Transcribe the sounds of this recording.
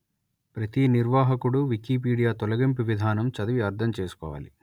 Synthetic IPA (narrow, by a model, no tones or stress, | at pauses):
pɾɐt̪iniɾʋaːɦɐkuɽuʋikiːp̬iːɽijaːt̪ɔlɐɡimpiʋid̪ʱaːnɐmt͡ʃɐd̪ɐʋiɐɾd̪ʰʱɐmt͡ʃe̞ːsu̥kɔ̰ːʋa̰ːlḭ